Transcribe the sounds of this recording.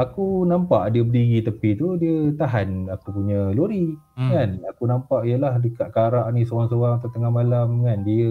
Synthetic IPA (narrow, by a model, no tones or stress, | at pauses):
akunampa̰ʔdiəbədiɡit̪əpit̪udiət̪aɦanakupuɲəloɾi | kanakunampaʔijəlahdəkaʔkaɾaʔnĩsoaŋsowaŋat̪at̪əŋahmalamkandiə